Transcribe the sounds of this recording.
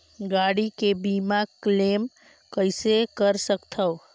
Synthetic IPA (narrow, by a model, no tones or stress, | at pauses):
ɡaːɽikebiːmakleːm | kəɪsekəɾsəkt̪ʰəo